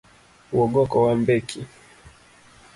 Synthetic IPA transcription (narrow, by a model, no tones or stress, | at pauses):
uwɔɡɔkɔwambɛkʰi